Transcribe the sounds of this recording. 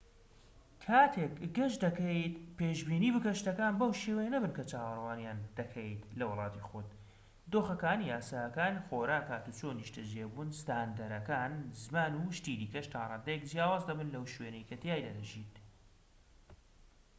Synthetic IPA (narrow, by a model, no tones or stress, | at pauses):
kʰaːt̪ʰekɡɐʃd̪ɐkejt̪peːʒbiːniːbɨkɐʃt̪ɐkaːnbɐwʃeːwejɐnɐbɨnkɐt͡ʃaːwɐrwaːnjaːnd̪ɐkʰejt̪lɐwɨlˠɑːt̪ixot̪ | d̪oːxɐkaːnijaːsaːɐkaːnxoːɾaːkaːt̪ut͡sʰoːniʃt̪ɐd͡ʒeːbunst̪and̪ɐɾɐkaːnzɨmaːnuʃt̪id̪iːkɐʃt̪ʰaːɾˤɑːnd̪ɐjekd͡zjaːwaːzd̪ɐbɨnlɐwʃweːnejkʰɐt̪jaːjd̪ɐd̪ɐʒit̪